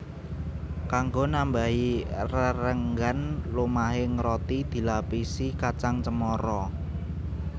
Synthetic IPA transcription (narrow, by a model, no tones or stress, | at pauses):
kaŋɡonambaɦirəɾəŋɡanlomaɦɪŋɾɔt̪id̪̥i̤lapisikat͡ʃaŋt͡ʃəmɔɾɔ